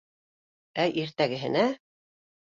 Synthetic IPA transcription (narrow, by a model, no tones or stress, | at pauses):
æjʔiɾt̪æɡɘ̆ɦɘ̆næ